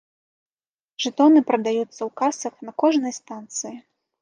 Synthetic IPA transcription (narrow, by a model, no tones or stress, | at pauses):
ʐ̥ɨt̪ɔnɨpɾɐd̪ajut̪sːɐwkasɐxnɐkɔʐnɐjst̪ant̪sɨji